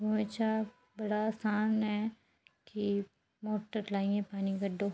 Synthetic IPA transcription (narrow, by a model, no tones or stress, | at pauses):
bumẽt͡ʃʰa | bəɽaːsaːnɦɛ | ki | moːʈəɾlaːiɛ̃ːpaːniɡəɖoː